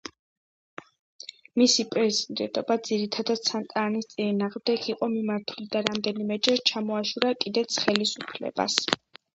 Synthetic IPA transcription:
misipʼɾɛzid̪ɛ̰nt̪ʼɔbad̪ziɾit̪ʰad̪ad̪̥̚sʰant̪ʼanist̪sʼinaːʁmd̪ɛɡʰiqʼɔmimaɾt̪ʰulid̪aɾamd̪ɛnimɛd͡ʒɛt͡ʃʰamɔaʃuɾakʼid̪ɛt̪sʰχɛlisupʰlɛ̰ba̰s

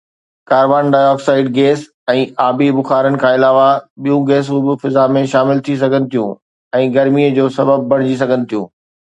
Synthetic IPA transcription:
kaːɾʋaːnɖaːjɔːksaːɪɖ̚ɡeːs | ɛ̃ːʔaːbibʊxaːɾənɪ̆kʰãːɪlaːʋaɓijũɡeːsʊbɪfɪzamẽʃaːmɪlt̪ʰis̬ɐɡʱənɪ̆t̪ʰijũ | ɛ̃ːɡɐɾmiəd͡ʑoːsɐbəb̚ːɐɽ̃d͡ʑis̬ɐɡʱənɪ̆t̪ʰijũː

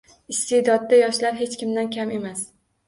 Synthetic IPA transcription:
ɪst̪ed̪ɒd̪ːajɒʃlaɾɦe̞t͡ʃkʲɪmd̪ankʲʰame̞mas

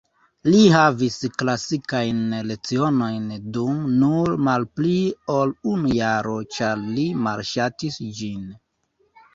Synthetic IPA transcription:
liɦavisklasikajnle̞t͡sio̞no̞jndumnuɾmalpliolunujaɾo̞t͡ʃaɾlimaɾʃatisd͡ʒin

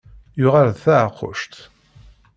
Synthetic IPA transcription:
jʊʁaɾðθaʕqʰːʊ̰ʃt̪

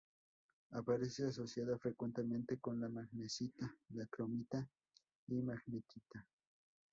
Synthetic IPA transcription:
apaɾeseas̬osjaðafɾekwent̪eme̞nt̪ekonlamaxnesit̪alakɾomit̪a | imaxnekit̪a

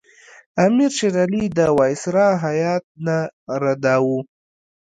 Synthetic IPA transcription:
amiɾʃeɾalid̪əwɑjsɾɑɦajɑt̪̚naɾad̪awu

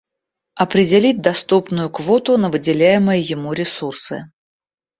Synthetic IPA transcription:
ɐpɾʲɪdʲɪlʲit̚ʲd̪ɐst̪upnʊjʊkvot̪ʊnəvɨdʲɪlʲæjɪməjəjɪmuɾʲɪsursɨ̰

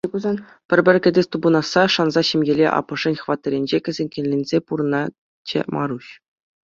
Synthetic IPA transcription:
uzɑ | pʲɘ̆rʲbʲɘ̆rʲkʲɘ̆dʲesʲt̪ubɤnɑsːɑʂɑnzɑɕemʲjelʲḛʔɑ̰pːɤ̆ʐɘ̆nʲχʋɑt̪ːɤ̆ɾʲenʲd͡ʑekʲɘ̆zʲĕnʲkʲĕnʲːenʲzʲepuɾɤ̆nɑ | t͡ɕḛmʔɑ̰ɾuɕ

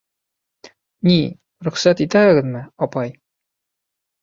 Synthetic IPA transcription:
ni | ɾɵ̆χsæt̪it̪æɘ̆ɡɘ̆ðmɘɒpɑj

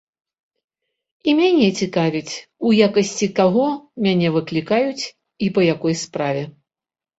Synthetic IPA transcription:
imʲanʲɛt͡sʲikavʲit͡sʲujakɐsʲt͡sʲikaɣɔmʲanʲɛvɨklʲikajut͡sʲ | ipɐjakɔjspɾavʲɛ

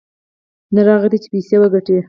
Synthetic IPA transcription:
naɾɑɣəd̪it͡ʃe̥pisewəɡaʈi

